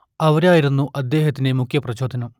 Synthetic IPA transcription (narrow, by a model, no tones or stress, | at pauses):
ɐʋɐɾaːjiɾunːuʔɐd̪ːe̞ːɦɐt̪ːinemukʰjɐprɐt͡ɕoːd̪ʱɐnɐm